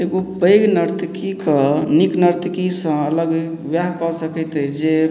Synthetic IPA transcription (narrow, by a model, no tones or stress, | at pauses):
eɡopəjɡnəɾt̪kikəniknəɾt̪kisə̃ələɡ | bjaɦkɔsəkɛt̪ɛd͡ʒe